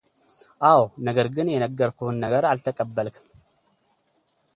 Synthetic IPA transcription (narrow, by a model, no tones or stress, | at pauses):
ʔawnəɡəɾɡɨnjɛnəɡːəɾkʰunːəɡəɾalt̪ʰəkʼəbːəlk